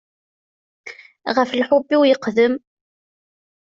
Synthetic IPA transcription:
ʁəflħʊbːiwjəqðəm

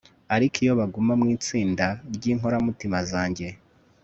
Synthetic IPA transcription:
aɾikʰijo̞βaɡumamŋiːt͡siːndaɾɟiːŋɦo̞ɾamutimazaːɲɟe̞

